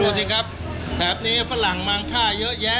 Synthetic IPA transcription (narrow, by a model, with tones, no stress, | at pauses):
uː˧si˧˩kʰa˦˥p̚ | t̪ʰɛː˩˦p̚niː˦˥fʰa˧˥la˨˩˦ŋmaː˧ŋkʰaː˥˩jɤ˦˥ʔjɛ˦˥